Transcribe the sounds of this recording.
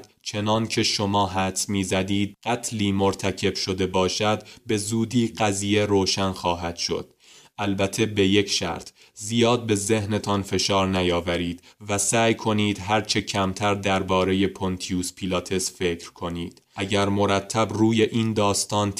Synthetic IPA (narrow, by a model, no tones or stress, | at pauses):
t͡ʃʰe̞nɒːncʰe̞ʃo̞mɒːɦæt̪smiːzæd̪iːd̪̚ɢ̥æt̪ʰliːmo̞ɾt̪ʰæcʰe̞bʃo̞d̪e̞bɒːʃæd̪be̞zuːd̪iːɢæziːje̞ɾoːʃænxɒːɦæd̪̥ʃo̞̰d̪̥ | ʔælbæt̪ʰe̞be̞je̞cʰʃæ̰ɾt̪ʰ | zijɒːd̪̚be̞ze̞hne̞t̪ʰɒnfe̞ʃɒːɾnæjɒːvæɾiːd̪̥væsæːjkʰo̞niːd̪ɦæɾt͡ʃʰe̞cʰæmt̪ʰæɾd̪æɾbɒːɾe̞je̞pʰont̪ʰijuːspʰilɒːt̪ʰe̞sfe̞cʰɾkʰo̞niːd̪̥ʔæɟæɾmo̞ɾæt̪ʰːæbruːje̞ʔiːnd̪ɒːst̪ɒːn